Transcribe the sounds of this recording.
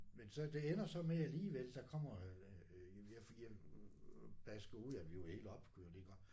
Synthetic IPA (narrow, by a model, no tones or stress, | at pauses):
mensɒ̽d̥e̝enɐsɒ̽meæliːʋeld̥ɑ̈kʰɒ̽m̰ɐ | jæfijæ | b̥æsɡ̥ɐuð̰ˠjæʋihe̝ːlɒ̽b̥kʰud̥eɡ̥ɒd̥